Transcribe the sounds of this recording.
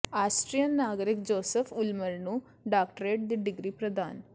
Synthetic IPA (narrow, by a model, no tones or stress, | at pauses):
aːsʈɾijɐnːaːɡɾikd͡ʒoːsefʰulmɐlnu | ɖaːkʈəɾeːʈ̚d̪iɖiɡɾiːpɾɐd̪ʱaːn